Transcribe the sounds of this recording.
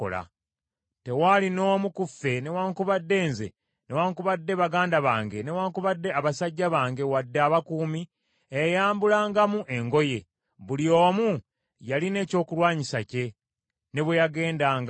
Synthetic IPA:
o̰la̰ | te̞walino̞ːmukufːe̞ne̞waːŋkuβadːe̞ːnzḛ | ne̞waːŋkuβadːe̞βaɡaːndaβaːŋɡe̞ne̞waːŋkuβadːe̞aβasaɟːaβaːŋɡe̞wadːeaːβakuːmi | ejaːmbulaːŋɡamuʔe̞ŋɡo̞je̞ | βuljoːmu | jaline̞ːco̞ːkulwaːɲisace̞ | ne̞βwejaɡe̞ːndaːŋɡ

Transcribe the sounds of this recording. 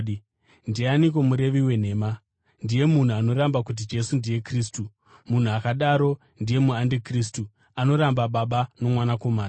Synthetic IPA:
ndianik̬o̞muɾe̞ʋiwe̞n̤e̞ːma | ndije̞mun̤uano̞ɾambak̬ut̬id͡ʒe̞sundije̞kriːs̬tu | mun̤uakaɗaɾo̞ | ndije̞muandikris̬tu | ano̞ɾambaɓaɓano̞mwanako̞maːna

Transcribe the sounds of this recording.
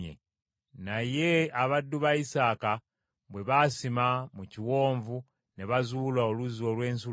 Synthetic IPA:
ḛ | naje̞aβadːuβaisaːka | βwe̞βasimamuciwo̞ːɱvu | neβazuːlaoluzio̞lwe̞ːnsu

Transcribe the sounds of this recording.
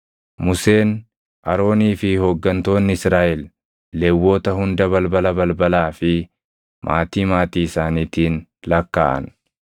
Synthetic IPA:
mʊse̞ːn | ʔɐɾo̞ːniːfɪhoɡːɐnt̪o̞ːnːɪɪsɾaːʔɛlː | ewːo̞ːt̪ɐhʊnd̪ɐβɐlbɐlɐbɐlbɐlaːfɪ | mʔa̰ːt̪iːmaːt̪iːɪsaːniːt̪iːnlɐkːa̰ːʔɐ̰n

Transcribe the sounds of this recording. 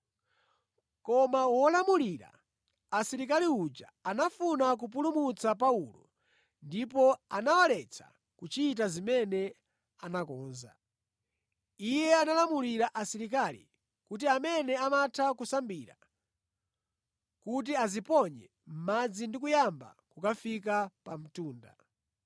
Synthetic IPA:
kɔmawɔlamuliɾa̰ | asiɾik̬aliud͡ʒaanafunak̬up̬ulumut͡sapaulɔ | ndipɔanawalɛt͡sʰa̰ | kut͡ʃiːt̬azimɛnɛ | anakɔːnza̰ | ijɛanalamuliɾaʔasiɾikalḭ | kut̬iamɛnɛamatʰakusambiɾa̰ | kut̬iazipɔɲɛ̰ | m̩mad͡zindik̬ujamba̰kukafik̬apam̩tuːnda̰

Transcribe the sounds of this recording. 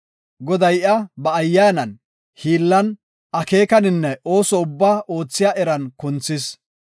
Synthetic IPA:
ɡɔd̪ɐjʔɐbɐːjːaːnɐn | hiːlːɐn | ɐke̞ːkɐnɪnːɛʔo̞ːsɔʊbːaːʔo̞ːt͡sːɪjaːʔɛɾɐnkʊnt͡sːɪs

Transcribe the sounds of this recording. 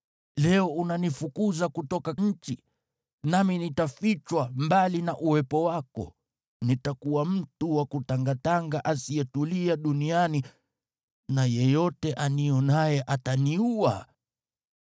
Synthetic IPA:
lɛɔunanifukuzakutɔkaɲ̩t͡ʃi | naminitafit͡ʃwambalinaʔuwɛpɔwakɔ̰ | nitakuwam̩tuwakutaŋɡataŋɡaʔasiɛtuliaɗuniani | najɛjɔtɛʔaniɔnajɛʔataniua

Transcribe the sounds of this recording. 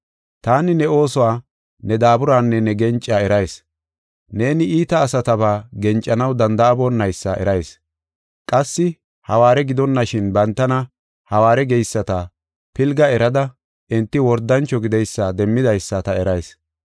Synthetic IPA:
t̪aːnɪnɛo̞ːsɔwaː | nɛd̪aːbʊɾaːnːɛnɛɡɛnt͡ʃʼːaːɛɾɐjs | ne̞ːnɪʔiːt̪ɐːsɐt̪ɐβaːɡɛnt͡ʃʼːɐnɐwd̪ɐnd̪ɐːbɔnːɐjsːɐ̰ʔɛ̰ɾɐjs | kʼɐsːɪ | hɐwaːɾɛɡɪd̪ɔnːɐʃɪnbɐnt̪ːɐnɐ | hɐwaːɾɛɡɛjsːɐt̪ɐ | pɪlɡɐɛɾɐd̪ɐ | ʔɪnt̪ːɪwɔɾd̪ɐnt͡ʃːɔɡɪd̪ɛjsːɐd̪ɛmːɪd̪ɐjsːɐt̪ɐɛɾɐjs

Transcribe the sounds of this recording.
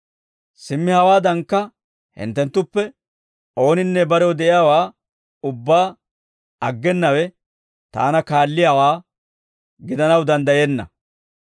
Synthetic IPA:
sɪmːɪhɐwaːd̪ɐŋkːɐ | hɪ̰nt̪ːɛnt̪ːʊpːɛ | ʔo̞ːnɪnːɛbɐɾɛwd̪ɛʔɪjaːwaː | ʊbːaː | ɐɡːɛnːɐwɛ | t̪a̰ːnɐkaːlːɪjaːwaː | ɡɪd̪ɐnɐwd̪ɐnd̪ɐjenːɐ̰

